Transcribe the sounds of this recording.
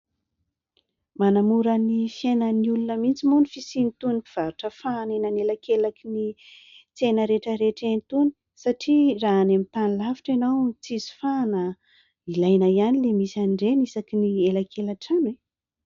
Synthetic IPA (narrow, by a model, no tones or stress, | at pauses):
manamuɾənifjenəniulunəmint͡simunifisint̪unipi̥v̥aɾuʈ͡ʂəfanenanelakelakini | t͡senəɾeʈ͡ʂəɾeʈ͡ʂent̪uni̥ | saʈ͡ʂiraːnemit̪anilavi̥ʈ͡ʂenawt͡sizi̥fanə | ilajnajanilemisanɖ͡ʐenisakinielakʰelaʈ͡ʂanwe